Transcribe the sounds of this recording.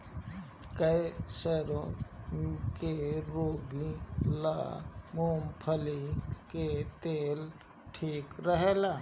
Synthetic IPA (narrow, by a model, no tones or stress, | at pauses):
kəeseːɾõ | keɾoːbila̰ːmoːmpʰəliket̪eːl | ʈʰiːkɾəɦeːlaː